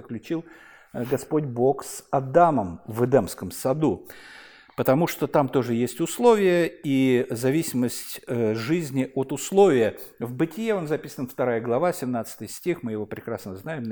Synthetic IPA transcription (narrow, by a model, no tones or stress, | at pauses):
əklʲʉt͡ɕilˠ | ɡɐspo̞dʲbo̞ksɐd̪aməmvɨd̪ɛmskəmsɐd̪u | pət̪ɐmuʂt̪ot̪amt̪o̞ʐɨjesʲtʲʊslˠo̞vʲɪjəizɐvʲisʲɪməsʲtʲʐɨzʲnʲɪʔot̪ʊslˠo̞vʲɪjəvbɨtʲɪjeo̞nzɐpʲisənft̪ɐɾajəɡlˠɐvasʲɪmnat̪sə̥t̪ɨjsʲtʲixmɨjɪvo̞pɾʲɪkɾasnəznajɪm